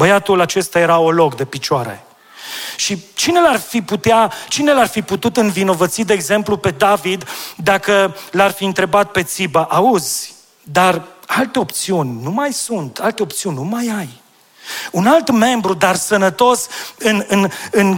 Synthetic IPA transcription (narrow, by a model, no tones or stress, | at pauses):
bəjat̪ulat͡ʃe̞st̪aje̞ɾaolo̞kd̪e̞pit͡ʃoaɾḛ | ʃit͡ʃinelarfiput̪eat͡ʃinelarfiput̪ut̪ɨnvino̞vət̪sid̪e̞ːɡze̞mplupe̞d̪avid̪ːakəlarfiɨnt̪ɾe̞bat̪̚pe̞t̪sibaʔauzʲ | d̪aralt̪e̞o̞pt̪siunʲnumajsunt̪alt̪e̞o̞pt̪siunʲnumajaj | unalt̪me̞mbɾud̪arsənət̪o̞sɨnɨnɨn